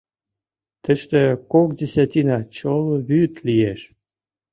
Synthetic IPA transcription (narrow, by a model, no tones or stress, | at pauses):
t̪ə̆ʃt̪ĕkok̚dʲesʲat̪ʲinɑt͡ɕoloβyt̪lijeʃ